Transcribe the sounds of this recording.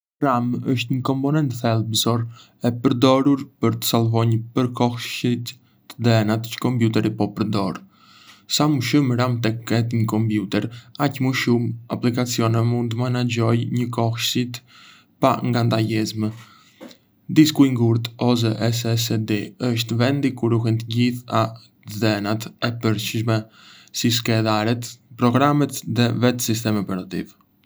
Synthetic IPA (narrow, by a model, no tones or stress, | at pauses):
ɾaməʃt̪ɲəkɔmpɔnɛnt̪θɛlˠbzɔɾ | ɛpəɾd̪ɔɾuɾpəɾt̪ə̥salˠvɔɲəpəɾkɔxʃit̪ː | əd̪ɛɛnat̪t͡ʃə̥kɔmpjut̪ɛɾipɔpəɾd̪ɔɾ | samuʃumɾamt̪ɛɛt̪ɲəkɔmpjut̪ɛɾacmuʃumaplikat͡siɔnɛmund̪manad͡ʑɔjɲəkɔhʃsit̪ | paŋɡand̪ajɛzmə | d̪iskujŋɡuɾt̪ɔz̬ɛʔɛsɛsɛd̪ɛəʃ̬t̪vɛnd̪ikuɾuɦɛnt̪əɟiθa | zɛnat̪ɛpəɾt͡ʃʃmɛ | sis̬kɛðaɾɛt̪pɾɔɡɾamɛt̪ðɛvɛt̪sist̪ɛmɛpɛɾat̪ḭv